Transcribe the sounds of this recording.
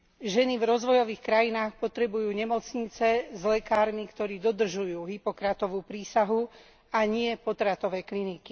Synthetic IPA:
ʒɛnivɾɔzʋɔjɔʋiːxkɾajinaːxpɔt̪ɾɛbujuːɲɛmɔt͡sɲit͡sɛzlɛkaːɾmikt̪ɔɾiːd̪ɔd̪r̩ʒujuːɦipɔkɾat̪ɔʋuːpɾiːsaɦu | aɲɪɛpɔt̪ɾat̪ɔʋɛːkliniki

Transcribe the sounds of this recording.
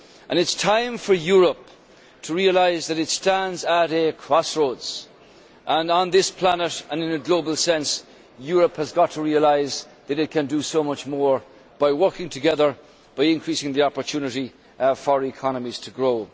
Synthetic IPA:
ʔə̃nɨtstʰãɪ̃ɱfə˞jʊɹəp̚ | tʰəɹiəlaɪzðəɾɨtstæ̃ndzəɾəkʰɹ̥ɔsɹoʊdz̥ | ʔə̃nə̃nðɪspʰl̥anəɾə̃nɪ̃nəɡloʊbəlˠsɛ̃ns | jʊɹəphəzɡɑtʰəɹiəlaɪz | ðɨɾɨt̚kʰɨ̃ndəsoʊmʌt͡ʃmɔɹ | b̥aɪwɜ˞kɪ̃ŋtʰɨɡɛðə˞ | b̥aɪɪ̃nkʰɹ̥isɪ̃ŋðiɑpə˞tʰʉnɨɾi | fə˞ikʰɑnəmiz̥tʰəɡɹoʊ

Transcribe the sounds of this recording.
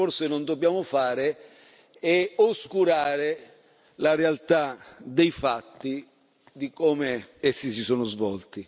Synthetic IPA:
orsɪnond̪objaːmʊfaːɾɪ | ɛoskuɾaːɾɪ | larealt̪ad̪ejfat̪ːi | d̪ikɔːmɪesːisisoːnʊzvɔlt̪i

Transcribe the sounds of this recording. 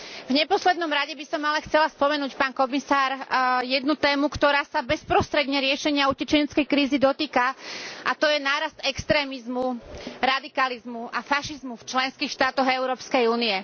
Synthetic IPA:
vɲɛpɔslɛd̪nɔmɾaɟɛbisɔmːalɛxt͡sɛlaspɔmɛnuːcpaːnkɔmisaːɾjɛd̪nut̪ɛːmukt̪ɔɾaːsabɛspɾɔst̪ɾɛd̪ɲɛɾɪɛʃɛɲɪaucɛt͡ʃɛɲɛt͡skɛjkɾiːzid̪ɔt̪iːkaʔat̪ɔjɛnaːɾast̪ɛkst̪ɾɛːmizmuɾad̪ikalizmuafaʃizmuft͡ʃlɛnskiːxʃt̪aːt̪ɔɣɛʊɾɔːpskɛjuːniɛ

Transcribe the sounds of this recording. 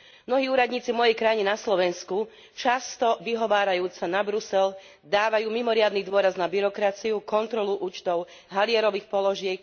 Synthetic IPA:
mnɔɦiːuːɾad̪ɲiːt͡sivmɔjɛjkɾajiɲɛnaslɔʋɛnsku | t͡ʃast̪ɔʋiɦɔʋaːɾajuːt͡sanabɾusɛl | d̪aːʋajuːmimɔɾɪad̪nid̪ʊɔɾaznabiɾɔkɾat͡siukɔnt̪ɾɔluʔuːt͡ʃt̪ɔʊ | ɦalɪɛɾɔʋiːxpɔlɔʒɪɛk

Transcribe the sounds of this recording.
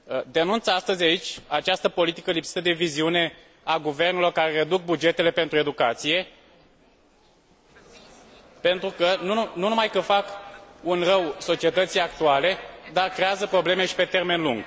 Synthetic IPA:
d̪e̞nunt̪sast̪əzʲait͡ʃʲat͡ʃast̪əpo̞lit̪i̥kəlipsi̥t̪əd̪e̞viziune̞ | aɡuve̞rnelo̞rkaɾeɾed̪uk̚bud͡ʒe̞t̪e̞le̞pe̞nt̪ɾue̞d̪ukat̪sije̞ | pe̞nt̪ɾukənununumajkəfakunrəwso̞t͡ʃie̞t̪ət̪sijak̚t̪uale̞d̪arkɾe̞azəpɾo̞ble̞me̞ʃi̥pe̞t̪e̞rme̞nluŋɡ̥

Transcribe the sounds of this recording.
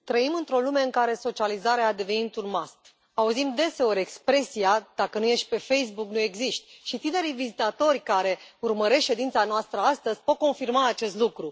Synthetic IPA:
t̪ɾəimɨnt̪ɾo̞lume̞ɨŋkaɾe̞so̞t͡ʃializaɾeaːd̪e̞ve̞nint̪unmast̪ | auzimd̪e̞se̞o̞ɾʲe̞kspɾe̞siad̪̥akənuje̞ʃt̪̚ʲpe̞fe̞js̬buknue̞ɡziʃt̪ʲʃit̪ine̞ɾijvizit̪at̪o̞rʲkaɾe̞urməɾe̞sʃe̞d̪int̪sanoast̪ɾəast̪əz̥ʲpo̞t̪̚ko̞nfirmaːt͡ʃe̞st̪lukɾu

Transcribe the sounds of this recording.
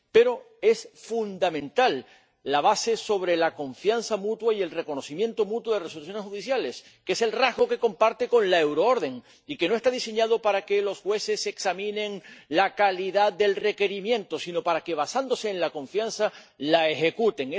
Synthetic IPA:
pe̞ɾo̞ | e̞sfund̪amẽ̞nt̪alː | aβ̞ase̞so̞βɾelakõ̞ɱfjanθamut̪waie̞lre̞ko̞no̞θimje̞nt̪o̞mut̪woðeresoluθ̬jo̞neshuðiθjale̞s | kese̞lraɦɣo̞ke̞ko̞mpaɾt̪e̞ko̞nlae̞wɾoo̞ɾðe̞ŋ | ike̞no̞est̪aðise̞ɲað̞o̞paɾake̞lo̞sxwe̞se̞se̞ksamĩnẽ̞ŋlakaliðad̪e̞lre̞ke̞ɾimjẽ̞nt̪o̞sino̞paɾake̞β̞asand̪o̞se̞ːnlako̞ɱfjansθa | laexe̞kut̪e̞ŋe

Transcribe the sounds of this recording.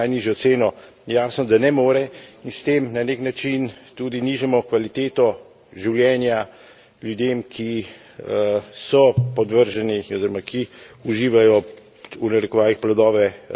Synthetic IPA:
ajniːʒjɔt̪seːnɔjɛjaːsnɔd̪anɛmoːɾɛinst̪eːmnaneknat͡ʃint̪uːd̪iniʒɛmɔkʋalit̪eːt̪ɔ | ʒiwljɛːnja | ljud̪eːmkʰi | sɔpɔd̪ʋəɾʒɛniɔziːɾɔmakiuʒiːʋajɔ | unɛɾɛkɔʋaːʋixplad̪ɔːʋɛ

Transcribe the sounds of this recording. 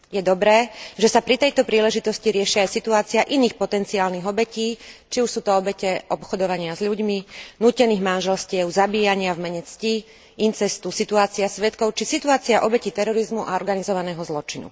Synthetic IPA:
jɛd̪ɔbɾɛːʒɛsapɾit̪ɛjt̪ɔpɾiːlɛʒit̪ɔsciɾɪɛʃiajsit̪uaːt͡siaʔiniːxpɔt̪ɛnt͡siaːlniɣɔbɛciːt͡ʃiuʃsuːt̪ɔɔbɛcɛʔɔpxɔd̪ɔʋaɲɪazʎuɟminuːcɛniːɣmanʒɛlscɪɛʊzabiːjaɲɪavmɛɲɛt͡sci | int͡sɛst̪usit̪uaːt͡siasʋɛt̪kɔʊt͡ʃisit̪uaːt͡siaʔɔbɛcit̪ɛɾɔɾizmuʔaɔɾɡanizɔʋanɛːɦɔzlɔt͡ʃinṵ

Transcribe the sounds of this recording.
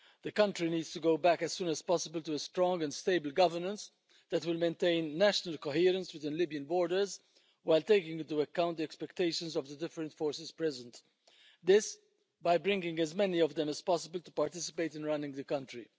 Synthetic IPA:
ð̥əkʌ̃ntɾiniːdstuɡoʊbækɛz̥sũːnɛz̥pɔsəbəltuəstɾɔ̃ŋɡɛ̃nsteɪbəlɡʌvəɹnə̃ns | d̪ɛtwɪlmẽɪnt̪ẽɪ̃nːæʃənəlkɔɦɪːɾə̃nswɪt̪ɪ̃nlibiə̃nbɔːɹɾdə˞z | waɪlt̪eɪkɪ̃ŋɡɪ̃ntuəkːãʊ̃nt̪d̪iɛkspɛkt̪eɪʃə̃nzɔvd̪ədɪfəɾə̃ntfɔːɹsɪz̥pɹɛzə̃nt̪ | d̪ɪs | baɪbɾɪ̃ŋɡɪ̃ŋɡɛzmɛniɔvd̪ɛ̃mɨz̥pɔs̬əbəlt̪upaɾt̪ɪsɪ̥peɪtɪ̃nɹʌnɪ̃ŋɡðəkʌ̃ntɾḭ

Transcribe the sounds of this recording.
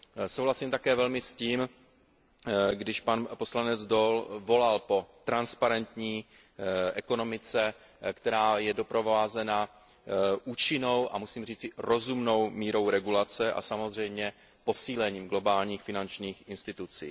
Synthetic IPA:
sowlasiːmt̪akɛːvɛlmɪsciːm | ɡdɪʃpanpo̞slanɛd͡zdo̞lvo̞lalpo̞t̪ɾanspaɾɛnt̪ɲiː | ʔɛko̞no̞mɪt͡sɛ | kt̪ɛɾaːjɛdo̞pɾo̞vaːzɛna | ʔuːt͡ʃɪno̞wʔamusiːmriːt͡sɪɾo̞zumno̞wmiːɾo̞wɾɛɡulat͡sɛʔa̰samo̞zr̝ɛjmɲɛ | po̞siːlɛɲiːmɡlo̞baːlɲiːxfɪnant͡ʃɲiːxʔɪnst̪ɪt̪ut͡sḭː

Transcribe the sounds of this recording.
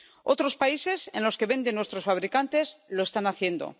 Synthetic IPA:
o̞t̪ɾo̞spaise̞se̞̰nlo̞ske̞βe̞nd̪e̞nwe̞st̪ɾo̞sfaβ̞ɾikant̪e̞slo̞e̞st̪anaθje̞nd̪o̞̰

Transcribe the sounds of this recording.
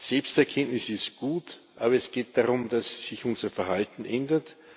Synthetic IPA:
sɛlpstɛɐkʰɛntnɪsɪstɡ̥uːtʔaːbɐɛsɡ̥eːt̚d̥aʁʊmd̥asːɪçʊnz̥ɐfɛɐhaltn̩ʔɛndɐt

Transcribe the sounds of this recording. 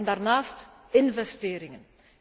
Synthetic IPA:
ndaːrnaːst | ɪnvɛsteːɾɪŋən

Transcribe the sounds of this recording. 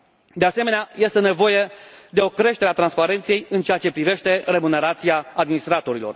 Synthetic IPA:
d̪e̞ase̞me̞neaje̞st̪e̞ne̞vo̞je̞d̪e̞o̞kɾe̞ʃt̪e̞ɾeat̪ɾanspaɾe̞nt̪sje̞jɨnt͡ʃeat͡ʃe̞pɾive̞ʃt̪e̞re̞mune̞ɾat̪siaad̪minist̪ɾat̪o̞ɾilo̞̰r

